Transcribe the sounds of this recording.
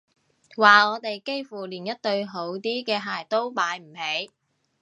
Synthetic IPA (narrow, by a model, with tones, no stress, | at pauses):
waː˨ɔː˨˧t̪e˨jke˥jfuː˨˩liː˨˩njɐ˥t̚t̪ɵ˧ɥɦo˨˧˥wt̪iː˥kɛː˧ɦaː˨jt̪o˥wpaː˨˥jm̩˨˩he˨˥j